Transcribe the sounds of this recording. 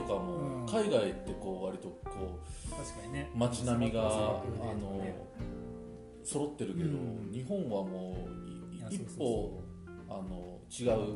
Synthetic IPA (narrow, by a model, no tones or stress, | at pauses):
okamokaiɡait̪ːe̞ko̞ːβaɾʲit̪o̞kʰoː | mat͡ɕinamʲiɡaː | no̞ | so̞ɾo̞t̪ːe̞ɾɯ̟ke̞d̪o̞̰ɲ̟iɦõ̞ɰ̃βamoː | ipːo̞ | ano̞ | t͡ɕiɡaɯ̟